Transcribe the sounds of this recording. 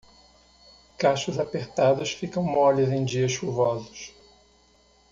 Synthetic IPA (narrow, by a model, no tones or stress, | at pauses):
kaʃʊzapeɾt̪ad̪ʊsfikɐ̃w̃mɔlɐzẽj̃d͡ʒiɐʃʃuvɔzʊʃ